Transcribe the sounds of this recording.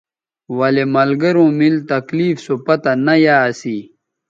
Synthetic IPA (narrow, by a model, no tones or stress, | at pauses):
wɐlemɐlɡɐɾõːmilt̪ɐkliːfsopɐt̪anɐjaːsiː